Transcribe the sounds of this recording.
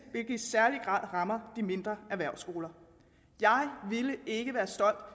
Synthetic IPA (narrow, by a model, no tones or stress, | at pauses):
ʋelɡ̥əisæɐliɡ̥ʁɑ̰̈ð̰ˠʁɑ̈mɐd̥ime̝nd̥ʁɐæʋæɐ̰sɡ̥o̝ːlɐ | jɑ̈ɪʋiləe̝ɡ̥əʋæːɐsd̥ɒ̽l̰d̥